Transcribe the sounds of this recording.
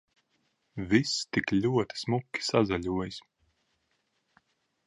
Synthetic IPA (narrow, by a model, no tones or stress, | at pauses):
vist̪iklʲuɔt̪i̥smukʲːi̥sazalʲuɔjis